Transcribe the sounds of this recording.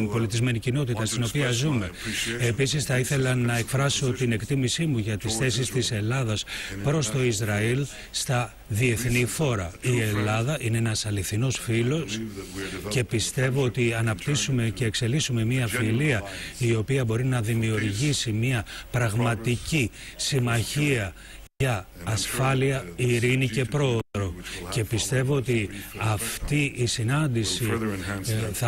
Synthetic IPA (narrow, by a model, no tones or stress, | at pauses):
po̞lit̪izme̞nicino̞t̪it̪ɐst̪ino̞piɐzume̞e̞pisisθɐiθe̞lɐnɐe̞kfɾɐso̞t̪ine̞kt̪imisimuʝɐt̪isθe̞sist̪ise̞lɐðɐspɾo̞st̪o̞izɾɐil | st̪ɐ | ðie̞θnifo̞ɾɐie̞lɐðɐʔine̞enɐsɐliθino̞sfilo̞s | ce̞pist̪e̞vo̞ot̪iɐnɐpt̪isume̞ceːkse̞lisume̞miɐfiliɐio̞piɐbo̞ɾinɐðimiuɾʝisimiɐpɾɐɣmɐt̪icisimɐçiɐ | ʝɐːsfɐliɐiɾinice̞pɾo̞ðɾo̞ce̞pist̪e̞voot̪iɐft̪iisinɐnd̪isi | θɐ